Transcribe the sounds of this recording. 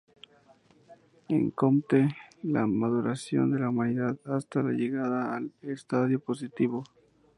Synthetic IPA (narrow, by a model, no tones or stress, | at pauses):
ḛŋkomt̪ela̰maðuɾasjo̞̰nd̪e̞laumaniðaðast̪ala̰ʝe̞ɣaðaːlest̪aðjo̞po̞sit̪iβo̞